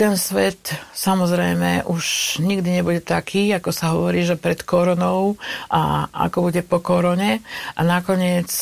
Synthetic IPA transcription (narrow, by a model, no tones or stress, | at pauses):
t̪ɛnsʋɛt̪samɔzɾɛjmɛ̰ʔuʃɲiɡd̪iɲɛbuɟɛt̪akʰiːakɔsaɦɔʋɔɾiːʒɛpɾɛt̪kɔɾɔnɔʊʔa̰a̰kɔbuɟɛpɔkɔɾɔɲɛʔanakɔɲɪɛt͡s